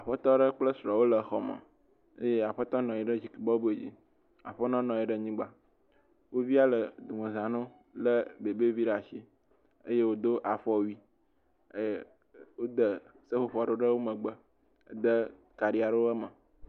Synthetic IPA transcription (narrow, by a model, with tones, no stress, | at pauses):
a˨ɸə˦t̪ɔ˦ɖə˦k͡plə˦sɾɔ˨wo˦lə˨xɔ̰˨mə̰˨ | ə̰˦je˦a˨ɸə˦t̪ɔ˦nɔ̃˨i˨ɖə˦d͡ʑi˨ki˨bɔ˦bu˦e˨d͡ʑḭ˦ | a̰˨ɸə˦nɔ̃˦nɔ̃˨i˨ɖə˦ɲĩ˦ɡ͡ba˦ | wo˦vi˦a˦lə˨d̪u˨mə̃˨zã˨nõ˦ | lə˦be˨be˦vi˦ɖa˨ʃi˦ | ə˦je˦wo˦d̪o˦ʔa˨ɸɔ˦wi˦ | wo˦d̪ə˨ | sə˦ɸo˦ɸɔ˨ɖo˦ɖə˦wo˦mə̃˨ɡ͡bə˦˨ | d̪ə˦ | ka˨ɖi˦a˨ɖə˦wə˦mə̃˨